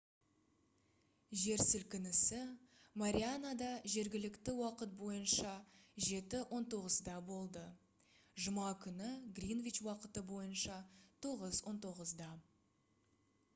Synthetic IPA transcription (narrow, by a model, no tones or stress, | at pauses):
ʒe̞ɾsɪlkʲɪnɪsɪmaɾʲianad̪ɑʒe̞ɾɡʲɪlɪkt̪ɪwɑqət̪̚bo̞jənʃɑʒe̞t̪ɪwʔo̞nt̪o̞ʁəzd̪ɑbo̞lˠd̪ə | ʒʊmɑkʲʰʏnɪɡrʲinvit͡ʃwɑqət̪əbo̞jənʃɑt̪ʰo̞ʁəzwo̞nt̪ʰo̞ʁəzd̪ɑ